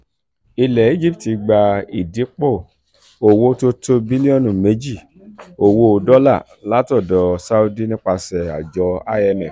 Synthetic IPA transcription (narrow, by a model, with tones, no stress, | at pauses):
i˧lɛ˨i˨˦d͡ʒi˦˨p̚ti˨˧ɡ͡ba˧i˨di˨˦k͡po˦˨ | o˨wo˧to˧to˧bi˦li˦ɔ̃˦˨nũ˨me˨˦d͡ʒi˦˨ | o˨wo˧dɔ˦la̰˦˨ | la˨˦tɔ˦˨dɔ˨sa˦u˧di˦˨nĩ˦k͡pa˧sɛ˨a̰˨d͡ʒɔ˨˦a˦ɛ˧mɛ˨